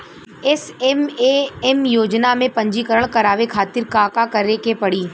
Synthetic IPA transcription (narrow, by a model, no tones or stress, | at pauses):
ɪsɛmeɛmjoːd͡ʒnamẽpɐ̃ɲd͡ʒikəɾəɽ̃kɐɾaːʋekʰaːt̪ɪɾkaːkakɐɾekepɐɽiː